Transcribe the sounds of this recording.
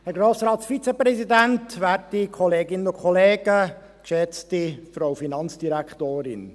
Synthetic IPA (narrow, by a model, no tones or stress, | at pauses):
hɛɾɡɾoːsɾɑːsfit͡sɛpɾɛsidæntʋæːɾtikʰɔleːɡɪnəʊkʰχɔleːɡ̥ə | kʃɛt͡stifɾowfinɑnt͡sd̥iɾæktoːɾɪ̰n